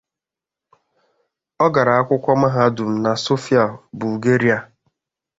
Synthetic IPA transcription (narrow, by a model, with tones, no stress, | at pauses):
ɔ˦ɡa˨ɾa˨a˦kʷʊ˦kʷɔ˦ma˦ɦa˦dʊ˨m̩˦na˨so˦fi˦a˨bu˨ɡe˦ɾi˦a˨